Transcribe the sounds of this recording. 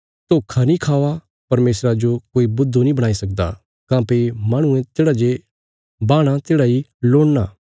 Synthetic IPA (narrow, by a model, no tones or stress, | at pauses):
t̪okʰanĩkʰaːʋa | pɐɾmeːsɾad͡ʒokoːibʊd̪ʱːunĩbɐɽ̃aːisɐk̚d̪a̰ | kãːpemãːɽ̃ʊ̃ẽt̪eːɽad͡ʒe | baːɽ̃at̪eːɽailoːɽnaː